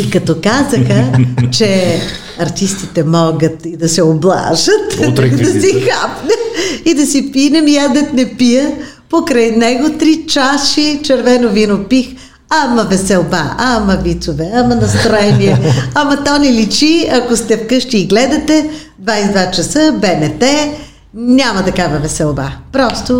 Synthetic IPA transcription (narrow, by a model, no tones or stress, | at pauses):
ikɐt̪ɔkazəxət͡ʃɛ | ɐɾt̪ist̪it̪ɛmɔɡət̪id̪ɐsɛoblˠa̰ʒət̪t̪d̪ɐsixapnɛmid̪ɐsipinɛmjad̪ɛt̪nɛpijə | pokɾɐjnɛɡot̪ɾit͡ʃaʃit͡ʃɛɾvɛnovinopix | amɐvɛsɛlˠba̰amɐvit̪sovɛamɐnɐst̪ɾoɛniɛɐmɐt̪ɔnɛlit͡ʃiɐkost̪ɛfkɤʃt̪iːɡlɛd̪ɐt̪ɛ | d̪vajsd̪vat͡ʃɐsəbɛnɛt̪ɛ | nʲamɐt̪ɐkavɐvɛsɛlˠba̰pɾɔst̪o